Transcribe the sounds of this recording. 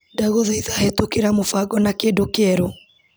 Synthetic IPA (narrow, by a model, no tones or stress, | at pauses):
daɣoðɔiðahetokeɾamofaɡɔnakedokeɛɾo